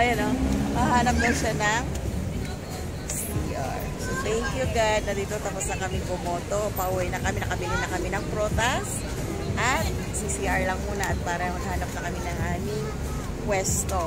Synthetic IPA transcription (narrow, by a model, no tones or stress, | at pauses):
ʔɐjɐnomɐɦaːnɐp̚nɐʃanɐŋ | siʔa̰ɹst̪ɛŋkjuɡad̪̚nɐd̪iːt̪ot̪ɐpʊsɐkɐmɪŋbomoːt̪o̞pɐʔuwɐjnɐkɐmɪnɐkɐbɪlɪnɐkɐmɪnɐŋpɾoːt̪ɐs | ʔɐt̪̚ | sisiʔaɹlɐŋmuːnɐʔɐt̪̚paːɾɐmɐnhaːnɐp̚nɐkɐmɪnɐŋʔaːmɪŋ | kwɛst̪o